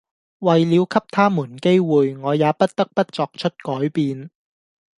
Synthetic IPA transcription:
wɐ˨jliː˨˧wkʰɐ˥p̚t̪ʰaː˥muː˨˩nke˥jwuː˨jŋɔː˨˧jaː˨˧pɐ˥t̚t̪ɐ˥k̚pɐ˥t̚t͡sɔː˧k̚t͡ʃʰɵ˥t̚kɔː˨˥jpiː˧n

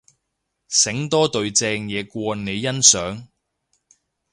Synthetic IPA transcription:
sɪ˨˥ŋt̪ɔː˥t̪ɵ˧ɥt͡sɛː˧ŋjɛː˨˧kʷɔː˧ne˨˧jːɐ˥nsœː˨˥ŋ

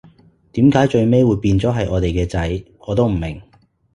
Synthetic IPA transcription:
t̪iː˨˥mkaː˨˥jt͡ʃɵ˧ɥme˥jwuː˨˧jpiː˧nt͡sɔː˨˥ɦɐ˨jʔɔː˨˧t̪e˨jkɛː˧t͡sɐ˨˥j | ɔː˨˧t̪o˥wm̩˨˩mɪ˨˩ŋ

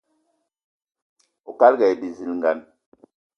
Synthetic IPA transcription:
o˨ka˦lɡɛ˨jbi˨zi˨lŋ˨ɡa˨n

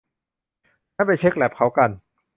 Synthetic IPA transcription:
naː˥˩p̬a˧jt͡ɕʰe˦˥k̚lɛ˨˩p̚kʰa˦˥wka˧n

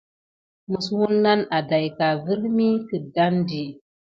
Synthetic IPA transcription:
mu˨swu˦nːa˦na˨da˨jka˨vɨ˦ɾmi˦kɨ˨da˦ndi˨

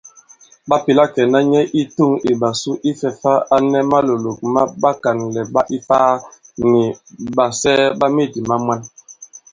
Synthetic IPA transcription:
ba˦pi˨la˦kɛ˨na˦ɲɛ˦ʔi˦tu˦˨ŋi˨ba˨su˦ʔi˦fɛ˨fa˦a˦nɛ˦ma˦lo˨lo˨k̚ma˦ba˦ka˨nlɛ˨ba˦ʔi˦faː˦ni˨ba˨sɛ˦ba˦me˦˨di˨ma˦mwa˦n

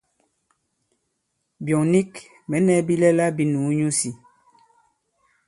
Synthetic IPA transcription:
bjɔ˨ŋni˦k | mɛ˨˦nɛ˨˦bi˦lɛ˦la˦bi˦nu˨˦ɲu˦si˨

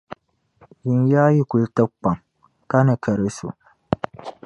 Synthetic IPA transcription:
ji˨n˦jaː˦ji˦ku˨ltə˦k͡pa˨ŋ | ka˦nɨ˨kʰə˨ɾɨ˦so̰˨

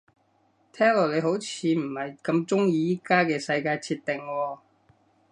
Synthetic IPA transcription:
t̪ʰɛː˥ŋlo˨˩le˨˧jɦo˨˥wt͡sʰiː˨˧m̩˨˩hɐ˨jkɐ˧mt͡sʊ˥ŋjiː˧jiː˥kaː˥kɛː˧sɐ˧jkaː˧jt͡sʰiː˧t̚t̪ɪ˨˩ŋwɔː˧

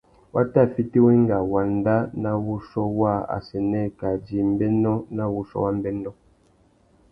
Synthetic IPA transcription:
wa˦ta˦˨fi˦ti˦we˦ŋ˦ɡa˨wa˨n˦da˦na˦wu˦sɔ˦wa˦˨a̰˨sɛ˨nɛ˦ka˨d͡ʒi˨m˦bɛ˦nɔ˦na˦wu˦sɔ̰˦wa˦m˦bɛ˦ndɔ˦

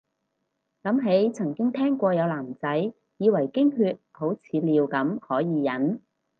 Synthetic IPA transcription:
lɐ˨˥mɦe˨˥jt͡sʰɐ˨˩ŋkɪ˥ŋt̪ʰɛː˥ŋkʷɔː˧jɐ˨˧wlaː˨˩mt͡sɐ˨˥j | jiː˨˧wɐ˨˩jkɪ˥ŋɦyː˧t̚ho˨˥wt͡sʰiː˨˧liː˨˧wkɐ˨˥mhɔː˨˥jiː˨˧jɐ˨˥n

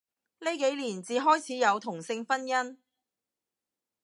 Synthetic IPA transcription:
le˨˥jke˨˥jliː˨˩nt͡siː˨ɦɔː˥jt͡sʰiː˨˥jɐ˨˧wt̪ʰʊ˨˩ŋsɪ˧ŋfɐ˥njɐ˥n

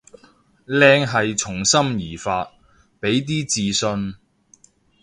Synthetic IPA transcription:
lɛː˧ŋɦɐ˨jt͡sʰʊ˨˩ŋsɐ˥mjiː˨˩faː˧t̚ | pe˨˥jt̪̬iː˥t͡siː˨˧sɵ˧n

